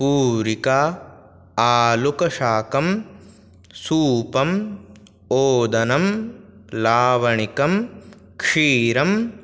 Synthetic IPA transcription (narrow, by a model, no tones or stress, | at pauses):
puːɾikaː | aːlukɐʃaːkɐm | suːpɐm | oːd̪ɐnɐm | laːʋɐɳikɐm | kʂiːɾɐm